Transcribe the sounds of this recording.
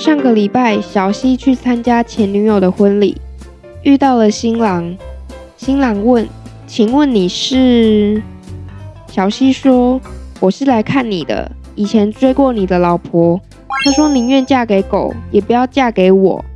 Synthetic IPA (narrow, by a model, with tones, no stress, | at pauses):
ʂɑ˥˩ŋɡə˨li˨˩pa˥˩ɪɕjɑ˨˩ʊɕi˦˥t͡ɕʰy˥˩t͡sʰa˦nt͡ɕja˥t͡ɕʰjɛ˧˦nny˧˥jo˨˩ʊd̪ə˦xwə˦nlḭ˨˩˦ | y˥˧t̪ɑ˥˩ʊlə˨ɕi˥ŋlɑ˧˦ŋ | ɕi˥ŋlɑ˧˥ŋwə˥˨n | t͡ɕʰi˨˦ŋwə˥˩nni˨˩ʂɻ̩˥˩ | ɕjɑ˨˩ʊɕi˦˥ʂwɔ˥wʔɔ˨˩ʂɻ̩˥˩la˧˥ɪkʰa˥˩nːi˨˩d̪ə̰˦ | i˨˩t͡ɕʰjɛ˧˦nʈ͡ʂwe˥ɪkwɔ˥˩ni˨˩d̪ə˦lɑ˨˩ʊpʰɔ˧˦ | t̪ʰa˥ʂwɔ˥ni˨˩ɥɛ˥˧nt͡ɕja˥˩ke˧˥ɪko˨˩˦ʊjɛ˨˩pu˧˦jɑ˥˧ʊt͡ɕja˥˩ke˧˥ɪwɔ̰˨˩˦